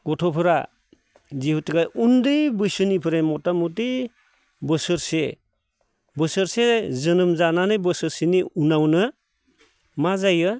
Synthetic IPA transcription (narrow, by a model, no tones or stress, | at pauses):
ɡ̥ɔtʰɔpʰɯɾa̰ | zihutiɡajundɯjbɯjsɯnipʰɯɾemɔtamutij | bɯsɯɾse | bɯsɯɾsezɯnɯmzananɯjbɯsɯɾsiniunawnɯ | mazajɯ